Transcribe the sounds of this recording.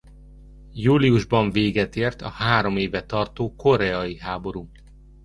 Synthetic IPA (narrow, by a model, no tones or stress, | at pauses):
juːliuʒbɒɱveːɡɛt̪eːrt̪ɒ̰haːɾo̞meːvɛt̪ɒrt̪oːko̞ɾɛɒjiɦaːbo̞ɾu